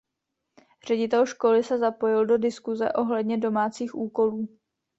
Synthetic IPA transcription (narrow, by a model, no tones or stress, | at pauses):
r̝̥ɛɟɪt̪ɛlʃko̞lɪsɛzapo̞jɪldo̞dɪskuzɛʔo̞ɦlɛdɲɛdo̞maːt͡siːxʔuːko̞luː